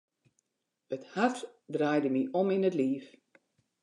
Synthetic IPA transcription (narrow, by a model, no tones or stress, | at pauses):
əthartdrajdəmiʔɔminətliːf